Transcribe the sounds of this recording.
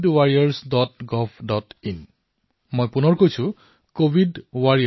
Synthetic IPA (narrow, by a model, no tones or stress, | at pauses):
dwaɹijaɹsdɔtɡɔpʰdɔtin | mojpunɔɹkojsũ | kobʱidwaɹi